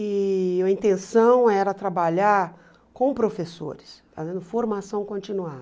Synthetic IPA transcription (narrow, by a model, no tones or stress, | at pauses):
ɪɐĩt̪ẽsɐ̃w̃ɛɾɐt̪ɾabaʎaɾ | kõpɾofeso̰ɾɪst̪a̰zẽd̪ʊfoɾmasɐ̃w̃kõnt͡ʃinua